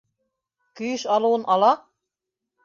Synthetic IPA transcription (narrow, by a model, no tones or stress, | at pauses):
kɵ̆jɘʃɑlˠŭwɤnʔɑlˠɑ